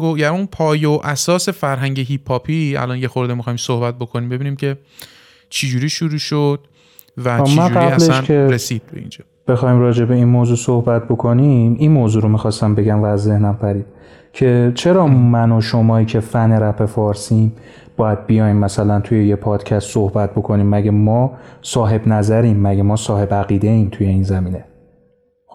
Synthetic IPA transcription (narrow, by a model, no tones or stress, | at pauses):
ojæunpʰɒːjeoʔæsɒːse̞fæɾɦæŋɟeɦipʰːɒːpʰiæ̰lɒnje̞xo̞ɾd̪emixɒːjimsohbæt̪̚bo̞kʰo̞nimbe̞biːniːmcʰe̞ | t͡ʃʰed͡ʒuːɾiːʃuɾuːʃod̪̥̚ | væmænd͡ʒuɡɾibhælleʃncʰeɾesiːd̪̚bḛḭːnd͡ʒɒːb̥e̞xɒːimɾɒːd͡ʒe̞be̞inmoːzuːsohbæt̪̚ʰbo̞kʰoniminmoːzuːɾomixɒːst̪æmbe̞ɟæmvæːzːe̞hnæmpʰæɾiːd̥̪̚ | cʰe̞t͡ʃʰe̞ɾɒːmænoʃo̞mɒːiːcʰe̞fæne̞ɾæfe̞fɒːɾsim | b̥ɒːjæd̪̚bijɒːjmːæsælænt̪ʰuje̞jepʰɒːd̪̥cʰæst̪sohbæt̪̚bo̞kʰo̞niːmːæɡemɒːsɒːɦe̞bnæzæɾiːmːæɟemɒːsɒːhe̞bæɣiːd̪e̞iːmt̪ʰuje̞iːnzæmiːne̞